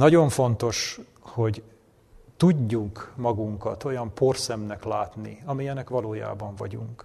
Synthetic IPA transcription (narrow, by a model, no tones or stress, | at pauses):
nɒɟo̞ɱfo̞nt̪o̞ʃ | ho̞ɟ | t̪uɟːuŋkmɒɡuŋkɒt̪o̞jɒmpo̞rsɛmnɛklaːt̪nḭɒmijɛnɛkʋɒloːja̰ːbɒɱvɒ̰ɟṵŋk